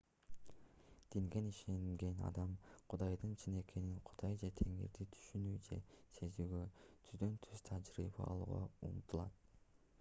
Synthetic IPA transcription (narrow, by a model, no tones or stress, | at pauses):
d̪̥iŋɡe̞niʃe̞ŋɡe̞nɑ̰d̪ɑmqʰud̪ɑjd̪ɯnt͡ʃʰine̞kʰe̞niŋqʰu̥d̪̥ɑjd͡ʒet̪ʰe̞ŋḭɾd̪it̪ʰy̥ʃynyːd͡ʒe̞̰se̞zyːɡø̞t̪ʰyzd̪ø̞nt̪ʰyz̥t̪ʰɑd͡ʒɾḭbɑ̰ɑ̰lˠṵːʁɑ̰ṵnt̪ʰulˠɑ̰t̪̚